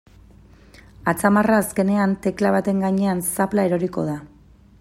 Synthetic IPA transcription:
at͡samaraːske̞ne̞ant̪e̞klaβ̞at̪e̞ŋɡaɲe̞ansaplaeɾo̞ɾiko̞̰ða

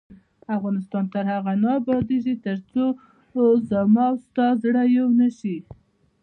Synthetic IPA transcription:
afɣɑnɪst̪ɑnt̪əɾhaɣanɑbɑd̪eʒit̪əɾt͡so | zamɑwst̪ɑzɽajawnəʃi

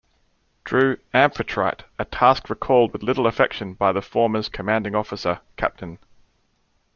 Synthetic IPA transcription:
d̥ɹʉːæ̃ɱfətʰɹ̥a̰ɪɾətʰæˑskɹəkʰɔːlˠd̚wɨðlɪɾl̩ˠəfɛkʃə̃nbaɪðəfɔːməz̥kʰəmæ̃ndɪ̃ŋɒfəsəkʰæ̰p̚tʰə̃n

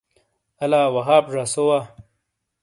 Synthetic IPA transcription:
ɐlaːwɐɦaːpʐasowa

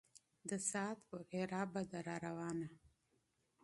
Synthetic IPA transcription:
d̪əsɑːt̪poheɾɑːbad̪aɾaɾawɑːna

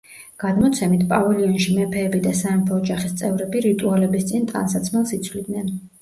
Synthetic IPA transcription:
ɡ̥ad̪mɔt̪sʰɛmit̪ʰpʼavɛliɔnʃimɛpʰɛːbid̪asaɛmpʰɔːd͡ʒaχist̪sʼɛvɾɛbiɾit̪ʼualɛbist̪sʼint̪ʼa̰nsat̪sʰmɛlˠsit̪sʰvlid̪nɛn

